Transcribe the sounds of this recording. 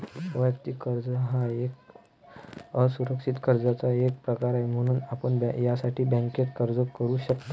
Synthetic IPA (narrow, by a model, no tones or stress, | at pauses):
ʋəkt̪ikəɾd͡zəɦaek | əsuɾəkʂit̪kəɾd͡zat͡saek̚pɾəkaɾajm̤əɽ̃uːnapəɳbjasaʈʰiːbɛ̃ŋket̪kəɾd͡zəkəɾuːɕəkt̪